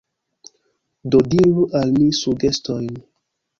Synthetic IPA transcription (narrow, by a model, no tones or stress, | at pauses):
dodiɾuʔalmisuɡe̞sto̞jn